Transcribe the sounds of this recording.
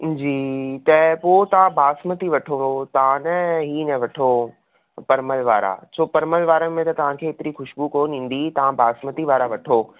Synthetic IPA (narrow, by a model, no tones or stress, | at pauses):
d͡ʑiːt̪ɐpoːt̪ɐʋ̤ãbʱaːsmət̪iʋɐʈʰoɦot̪ɐʋãnɐɦiːnɐʋɐʈʰo | pɐɾməlʋaːɾa̰sʰoːpɐɾməlʋaːɾəmẽt̪ɐt̪ɐʋ̤ãkʰeːt̪ɪɾixʊʃbukoːnĩːn̆d̪it̪ɐʋ̤ãbʱaːsmət̪iʋaːɾaʋɐʈʰoː